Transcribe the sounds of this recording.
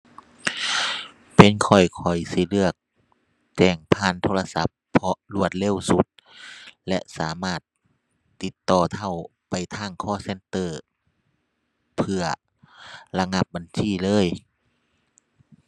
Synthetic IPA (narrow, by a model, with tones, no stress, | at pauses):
pe˧˦nkʰɔ˧˩jkʰɔ˨˩jsi˧˦lɯ˧˩ək̚ | t͡ɕɛː˧˩ŋpʰaː˧˥˨nt̪ʰoː˧la˧sa̰˧˦pʰːɔ˧lu˧˩ət̪̚le˧˥˨wsu˧˦t̪̚ | lɛ̰˧ʔsaː˨˦maː˧˥˩t̪̚ː | i˧˦t̪ːɔː˧˩t̪ʰa˧˩w | pa˨jt̪ʰaː˧˥˩ŋkʰɔː˧˩˨se˧˨nt̪ɤː˧˩ | pʰɯ˧ɐ | la˧ŋa˧˥p̚ba˨nsiː˧˩˨lɤː˧˥˨j